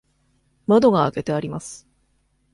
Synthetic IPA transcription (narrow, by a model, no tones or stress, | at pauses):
mad̪o̞ɡaːke̞t̪e̞aɾʲimasɨ̥